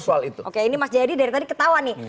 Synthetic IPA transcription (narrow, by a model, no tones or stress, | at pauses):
sualit̪uʔokeinimasd͡ʒadidaiɾt̪adikət̪awanɪ